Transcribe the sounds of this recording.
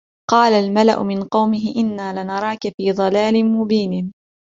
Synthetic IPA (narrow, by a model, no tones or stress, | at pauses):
qɑːlalmala̰ʔʊ̰mɪnqɑwmɪɦɪʔɪnːaːlɪnɑɾˤɑːkafiːðˤɑlaːlɪnmʊbiːnɪ